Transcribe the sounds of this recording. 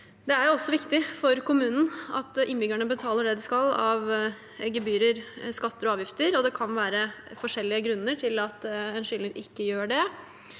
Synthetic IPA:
d̪ɛæɾjʊɔsːɔʋɪkt̪ɪfɔɾkʊmʉːnn̩ɑ̰t̪ɪnbʏɡæɳəbət̪ʰɑːləɖɛd̪ɪskɑlɑʋ | ɡəbyːɾəɾskɑt̪ːəɾɔɑːʋjɪft̪əɾɔd̪ɛkʰɑnʋæːɾəfɔʂɛlːɪəɡɾʉnːəʈʰɪlɑt̪ɛnʂʏlːəɾʔɪkːəjøːɖɛ

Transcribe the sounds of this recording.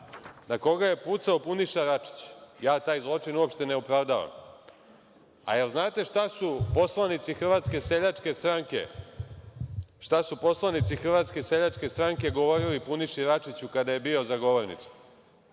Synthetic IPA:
nako̞ɡaje̞put̪saopuniʃaɾat͡ʃi̥t͡ɕjaːt̪aːjzlˠo̞t͡ʂinuopʃt̪e̞neupɾaʋd̪aʋa̰m | a̰elznaːt̪e̞ʂt̪asupo̞slˠanit̪sixr̩ʋat̪ske̞seʎat͡ʂke̞st̪ɾaŋkḛ | ʃt̪asupo̞slˠanit̪sixr̩ʋat̪ske̞seʎat͡ʂ̪ke̞st̪ɾaŋke̞ɡo̞ʋo̞ɾilipuniʃiɾat͡ʂit͡ɕukad̪aje̞bio̞zaɡo̞ʋoɾnḭt̪su̥

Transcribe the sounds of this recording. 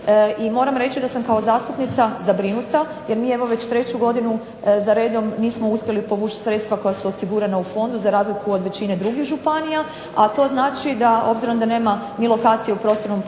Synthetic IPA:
imo̞ːɾamɾe̞t͡ɕid̪asamkao̞zaːst̪upnit̪sazabɾinut̪a | jeɾmiːeʋo̞ʋe̞t͡ɕt̪ɾe̞t͡ɕuɡo̞d̪inu | zaɾe̞ːd̪o̞mniːsmo̞uspʲje̞lipo̞ʋuːt͡ʃi̥t̪sɾe̞t̪st̪ʋako̞jasuosiɡuɾanaufo̞nd̪uzaɾaːzlikuo̞d̪ʋe̞t͡ɕine̞d̪ɾuɡixʒupanija | at̪o̞znaːt͡ʃid̪aʔo̞̰bziɾo̞md̪ane̞ːma | milˠo̞kaːt̪sije̞upɾo̞ːst̪o̞ɾno̞m

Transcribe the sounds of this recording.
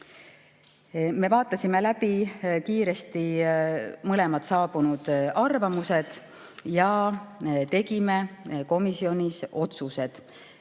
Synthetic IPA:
me̞vɑːt̪ːˑɑsʲime̞læbikiːɾe̞st̪i | mɤle̞mɑt̪sɑːbunud̪̥ɑrvɑmuse̞d̪̥ | jɑ | t̪e̞ɡime̞ko̞misio̞nʲisʔo̞t̪suse̞d̪̥

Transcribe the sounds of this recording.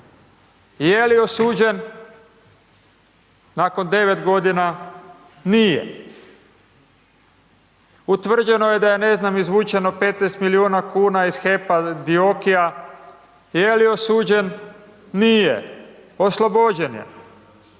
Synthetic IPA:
jelio̞suːd͡ʒe̞n | aːko̞nd̪e̞ʋe̞t̪ɡo̞d̪ina | nijḛ | ut̪ʋr̩d͡ʒe̞no̞je̞d̪ajene̞znamizʋuːt͡ʃe̞no̞pet̪nest̪miliuːnakuːnaiz̥xepad̪iokija | jeliosuːd͡ʒe̞nː | ijḛoslˠobod͡ʑenjḛn

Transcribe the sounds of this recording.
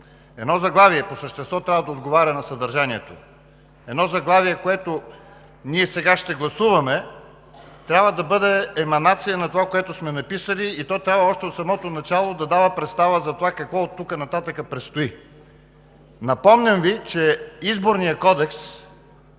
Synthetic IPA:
ɛd̪nɔzɐɡlˠaviɛposəʃt̪ɛst̪vɔt̪ɾʲabvɐəd̪ɐod̪ɡovaɾʲɐnɐsɐd̪ɐɾʒaniɛt̪o | ɛd̪nɔzɐɡlˠaviɛkoɛt̪o | niɛsɛɡaʃt̪ɛɡlˠɐsuvɐmɛ | t̪ɾʲabvəd̪ɐbɤd̪ɛːmɐnat̪sijənɐt̪ovakoɛt̪ʊsmɛnɐpisəliit̪ɔt̪ɾʲabvɐɔʃt̪ɛot̪sɐmɔt̪onɐt͡ʃalˠod̪ɐd̪avəpɾɛt̪st̪avəzɐt̪ovakɐkvɔt̪ːukənɐt̪at̪əkəpɾɛt̪st̪oi | nɐpɔmnʲəmvit͡ʃɛizboɾnijəkɔd̪ɛks

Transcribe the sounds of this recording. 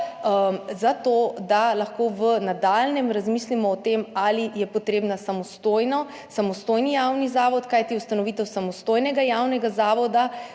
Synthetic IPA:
əmzat̪od̪alaxkoʋənad̪alnɛmɾazmiːslimɔːt̪emalijɛpɔt̪ɾeːbnasamɔst̪ojnɔ | samɔst̪oːjnijawnizaːʋɔt̪kajt̪iust̪anɔʋit̪ɛwsamɔst̪ojnɛɡajawnɛɡazaːʋɔd̪a

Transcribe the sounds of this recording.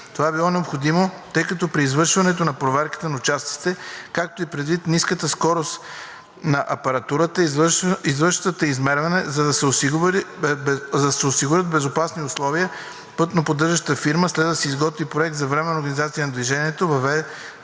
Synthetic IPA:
t̪ovabilˠɔnɛopxod̪imot̪ɤjkɐt̪ɔpɾiːzvəɾʃvɐnɛt̪onɐpɾovɛɾkə̥t̪ənɐʊt͡ʃast̪si̥t̪ɛkak̚t̪oipɾɛd̪vit̪niskət̪əskɔɾost̪ | nɐʔɐpɐɾɐt̪uɾət̪əizvəɾʃt̪ət̪əizmɛɾvɐnɛzɐd̪ɐsɛos | ɐsɛosiɡʊɾʲət̪̚bɛzopasniʊslˠɔviə | pɤt̪nopod̪ːɤɾʒəʃt̪əfiɾməslɛd̪d̪ɐsɛizɡɔt̪vipɾoɛk̚t̪zɐvɾɛmɛnɐoɾɡɐnizat̪sijənɐd̪viʒɛniɛt̪ovɐvɛ

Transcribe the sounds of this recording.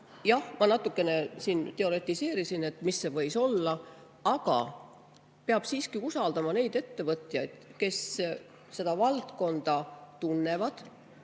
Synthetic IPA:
jɑhmɑnɑt̪ːˑukːˑe̞ne̞siːnt̪e̞o̞le̞t̪ːˑise̞ːɾisine̞t̪ːˑmisːe̞vɤ̞jso̞lːɑ | ɑɡ̥ɑ̰ | peɑb̥siːskiusɑld̪ɑmɑne̞jd̪̥e̞t̪ːe̞vɤt̪ˑjɑjd̪̥ke̞s | se̞d̪̥ɑvɑlt̪ko̞nd̪̥ɑt̪unːe̞vɑd̪̥

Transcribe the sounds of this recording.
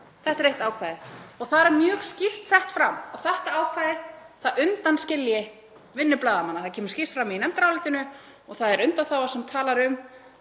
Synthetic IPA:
θɛht̪ɾejht̪aːwkʰvaːðɪɔɣθaðɾɛɾmjœːɣscir̥t̪sɛht̪fɾamɔθɛht̪aaːwkʰvaːðɪθaðʏnt̪anscɪljɪ | vɪnːʏplaːðamanaθacʰɛːmʏɾ̥scir̥t̪fɾamiinɛmt̪ɾawlɪːt̪ɪnʏ | ɔɣθaðɛɾʏnt̪anθawasɛmt̪ʰaːlaɾʏm

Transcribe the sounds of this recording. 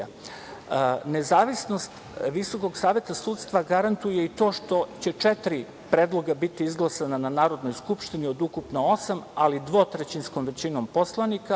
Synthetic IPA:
ne̞zaːʋisno̞st̪ | ʋiso̞ko̞ɡsaːʋe̞t̪asuːt̪st̪ʋaɡaɾant̪uje̞it̪o̞ːʃt̪o̞t͡ɕe̞t͡ʂɛt̪ɾi | pɾeːd̪lˠo̞ɡabit̪iizɡlˠasanananaːɾo̞d̪no̞jskupʃt̪inio̞d̪ukupnoo̞samalid̪ʋo̞ːt̪ɾet͡ɕinsko̞mʋe̞t͡ɕino̞mpo̞slˠanika

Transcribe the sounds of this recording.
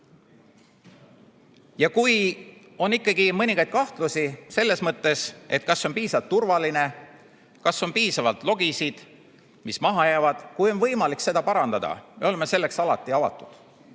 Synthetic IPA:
jɑkuj | o̞nikːˑɑɡimɤnʲiŋɡ̥ɑjd̪̥̚kɑht̪lusise̞lːe̞smɤt̪ˑːe̞se̞̰t̪̚kɑsːo̞npiːsɑlt̪ːurvɑline̞ | kɑsːo̞npiːsɑvɑlt̪lo̞ɡisid̪̥ | mismɑɦɑjæːvɑd̪̥kujo̞nvɤjmɑlikse̞d̪̥ɑpɑɾɑnd̪ɑd̪̥ɑ̰me̞o̞le̞me̞se̞lːe̞ksɑlɑt̪ːˑiɑvɑ̰t̪ːˑu̥d̪̥

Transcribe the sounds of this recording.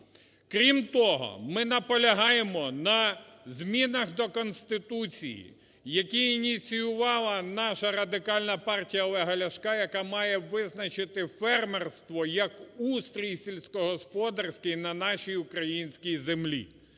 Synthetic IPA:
kɾʲimt̪ɔɦɔ̰mɪnɐpɔlʲɐɦɑjemɔnɐzʲmʲinɐxd̪ɔkɔnsʲt̪ɪt̪ut͡sʲḭjḭ | jɐkʲiinʲit͡sʲijʊʋɑlˠɐnɑʃɐɾɐd̪ɪkɑlʲnɐpɑrtʲijɐlˠɛɦɐlʲɐʃkɑjɐkɑmɑjɛʋɪznɐt͡ʃɪt̪ɪfɛrmɛrst̪ʋɔjɐkust̪ɾʲisʲilʲsʲkɔɦɔspɔd̪ɐrsʲkɪjnɐnɑʃʲijʊkɾɐjinʲsʲkʲijzemlʲḭ

